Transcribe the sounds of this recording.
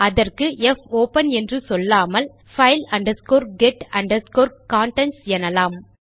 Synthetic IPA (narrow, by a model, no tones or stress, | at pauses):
ɐðɐrkɯʔɛfoːpɐnɛndrɯsɔlːaːmɐl | fɐɪlɐɳɖɐskoːɾɡɛʈɐɳɖɐskoːɾkaːɳʈɛnsɛnɐlaːm